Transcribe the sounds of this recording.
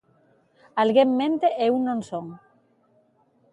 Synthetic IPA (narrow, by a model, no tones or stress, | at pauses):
alɣemmẽnt̪eʔeunːõnsoŋ